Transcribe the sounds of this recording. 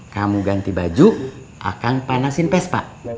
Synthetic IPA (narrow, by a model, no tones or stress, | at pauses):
kamuɡant̪ibad͡ʒu | ʔa̰kaŋpanasinpɛspa̰ʔ